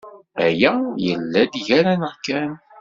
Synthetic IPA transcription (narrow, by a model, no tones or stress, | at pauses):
æjæjəlːæd̪ʝæɾænəʁkːæn